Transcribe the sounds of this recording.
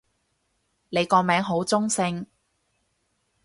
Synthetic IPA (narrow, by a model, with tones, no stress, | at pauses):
le˨˧jkɔː˧mɛː˨˥ŋɦo˨˥wt͡sʊ˥ŋsɪ˧ŋ